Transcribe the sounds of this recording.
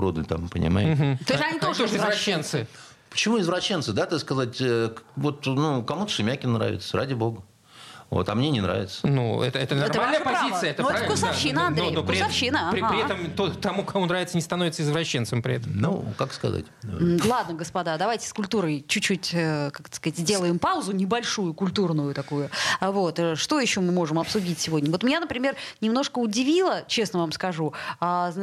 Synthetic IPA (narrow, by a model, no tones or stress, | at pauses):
ɾod̪nɨ̰t̪ampənʲɪ̰ma̰jɪɦm̩t̪osɐnʲit̪oʂt̪oʐɨɪzvɾɐɕːent̪sɨ | pə̥t͡ɕɪmuɪzvɾɐɕːent̪sɨd̪at̪askɐzatʲəvo̞t̪nukɐmut̪ə̥ʂɨmʲakʲɪnːɾa̰vʲɪ̰t̪səɾadʲɪbo̞ɡə | vo̰t̪ɐmnʲenʲɪnɾa̰vʲɪt̪sə̥nuɛ̰t̪əɛt̪ənɐrmmalʲnəjəpɐzit̪ɨjəɛt̪əpavʲlkʊsaʃːinəɐndnɾoej̪opɾɾɪafɕinəpɾʲɪpɾʲɪɛt̪əmt̪ot̪ɐmukɐmonɾavʲɪt̪sənʲɪst̪ɐno̞vɪt̪səɪzvɾɐɕːent̪səmpɾʲɪ̰ɛt̪əmnṵkakskɐ̰za̰tʲm̩lˠad̪nəɡəspɐd̪ad̪ɐvajtʲɪ̥skʊlʲt̪uɾəjt͡ɕʉt͡ɕːutʲəkaktə̥skɐzatʲzʲdʲe̞lˠəjɪmpaʊzʊnʲɪbɐlʲʂujʊkʊlʲt̪urnʊjʊt̪ɐkujʊvo̞t̪ʂt̪o̞jɪɕːo̞mɨmo̞ʐɨmɐpsʊdʲitʲsʲɪvo̞dʲnʲəvot̪mʲnʲanəpɾʲɪmʲe̞rnʲɪmno̞ʂkəʊdʲɪvʲilˠət͡ɕe̞snəvamskɐʐuazn